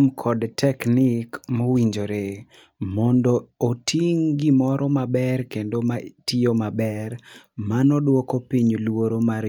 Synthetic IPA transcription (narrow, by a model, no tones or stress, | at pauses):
mkʰɔdtʰɛknikmowiɲd͡ʒoɾe | mɔndɔːtʰiŋɡimɔɾʔɔmabɛrkendomatiomabɛrmanɔdwɔkopiɲlwoɾomaɾ